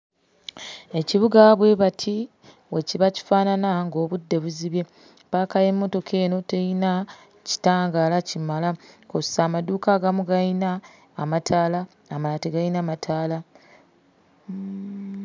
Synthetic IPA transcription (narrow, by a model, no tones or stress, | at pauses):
e̞ciβuɡaβwe̞βatʰi | we̞ciβaci̥faːnanaŋɡo̞ːβudːe̞βuziβje̞ | pakaje̞mːo̞to̞kʰe̞ːno̞te̞jina | ci̥taːŋɡalacimalakosaːmaduːkaːɡamuɡajinaː | matʰaːlaː | malateɡajinamatʰaːla